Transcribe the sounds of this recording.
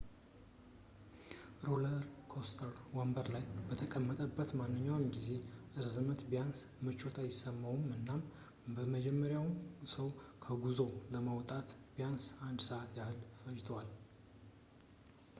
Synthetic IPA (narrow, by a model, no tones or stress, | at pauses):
ɾoləɾkʰost̪ʰəɾwambəɾlajbət̪ʰəkʼəmːət̪ʼəbːət̪manːɨɲːawmɡize̞ʔɨɾzɨmət̪bijansmət͡ʃːo̞t̪ʰajɪsːəmːawumɨnːam | bəməd͡ʒɛmːəɾjawmsəwkʰəɡuzo̞ləməwt̪ʼat̪bijansand̪səʔat̪jahɨlfəd͡ʒt̪ʰwal